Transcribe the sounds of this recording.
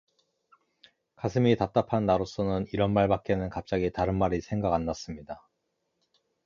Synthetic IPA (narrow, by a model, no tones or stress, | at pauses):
kasʰɯmitat͈apʰanːaɾos͈ʌnɯniɾʌnmaɭbak͈̚e̞nɯnkap̚t͡ɕ͈aɡitaɾɯnmaɾisʰe̞ŋɡaɡanːas͈ɯmɲida